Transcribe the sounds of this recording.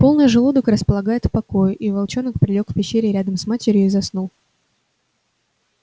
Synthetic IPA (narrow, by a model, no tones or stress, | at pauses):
po̞lˠnɨjəʐɨlˠud̪əkɾəspəlˠɐɡajɪt̪fpɐko̞jʊʔivɐlˠt͡ɕo̞nəkpɾʲɪlʲo̞kfpʲɪɕːeɾʲɪɾʲad̪əmsmatʲɪɾʲɪjʊizɐsnulˠ